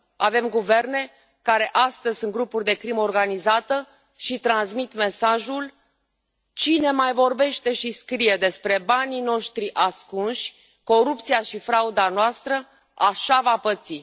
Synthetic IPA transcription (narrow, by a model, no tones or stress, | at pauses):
ave̞mɡuve̞rne̞ | kaɾe̞ʔast̪əzʲsɨŋɡɾupurʲd̪e̞kɾimo̞rɡanizat̪ə | ʃit̪ɾansmit̪me̞saʒul | t͡ʃine̞majvo̞rbe̞ʃt̪e̞ʃiskɾije̞d̪e̞spɾe̞banino̞ʃt̪ɾiʔaskunʃʲ | ko̞ɾup̚t̪sijaʃifɾaud̪anoast̪ɾə | aʃavapət̪si